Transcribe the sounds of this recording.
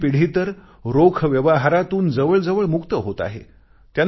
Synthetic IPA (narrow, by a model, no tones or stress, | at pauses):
piɽ̤iːt̪əɾ | ɾokʰʋjəʋaɦaɾat̪uːnd͡zəʋəɭd͡zəʋəɭmukt̪əɦot̪a̰ɦḛ | t̪jan